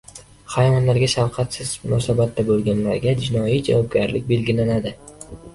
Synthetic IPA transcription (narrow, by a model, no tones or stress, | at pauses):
χajvɒnlaɾɡʲaʃawqʰɑt̪sɪzmʊnɒsabat̪ːabolˠɡʲanlaɾɡʲad͡ʒɪnɒjid͡ʒa̰vɒb̚ɡʲaɾlɪk̚ʲbe̞lɡʲɪlanad̪ɪ